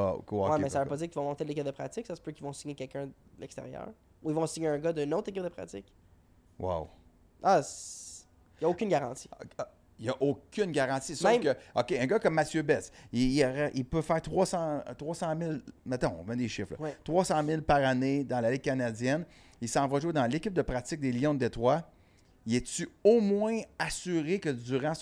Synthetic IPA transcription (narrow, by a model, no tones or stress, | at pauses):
akowɛmɛssavøpɔd͡ziːʁkivɔmɔ̃t̪elek̬ʲɪp̚d̪əpχat͡sɪksasə̥pøkʲilvɔ̃siɲekʲɛlkʲɜ̃əlɛkst̪ḛʁjœ̰ːʁ | uilvɔ̃siɲeə̃ɡʌd̪ənot̪χek̬ʲɪp̚d̪əpχa̰t͡sɪk | wa̰w | as | jaokʲynɡaʁɑ̃t̪si̥ | jaʔokʲʰynɡʲaʁɑ̃t̪isɛ̃kəɔkʲeœ̃ɡʌkʌmːat͡sjøbɛsiəʁɛʔipøfæːʁt̪χʁwɑsɑ̰̃t̪ʁwɑsɑ̃mɪlmɛt̪ɔ̰̃vmɛ̃d̪eʃɪflə̰wɛt̪ʁwɑsɑ̃mɪlpaʁaned̪ɑ̃laliɡ̚kanad͡zjɛn | ilsɑ̃vwaʒued̪ɑ̃lekʲɪp̚d̪əpʁatt͡sɪk̚d̪elijɔ̃d̪əd̪et̪ʁwa | iɛsyomwɛ̃asyʁekəd͡z̪yʁɑ̃